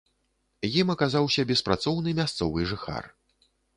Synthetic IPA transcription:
jimɐkazawsʲɐbʲɛspɾat̪sɔwnɨmʲast̪sɔvɨʐɨxa̰r

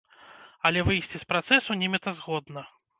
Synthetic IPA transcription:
ɐlʲɛvɨjsʲt͡sʲispɾat̪sɛsunʲimʲɛt̪ɐzɣɔd̪nɐ

